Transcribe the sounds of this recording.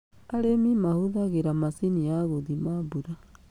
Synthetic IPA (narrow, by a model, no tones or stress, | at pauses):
aɾemimahuðaɣeɾamasiniaɣoðimaβuɾa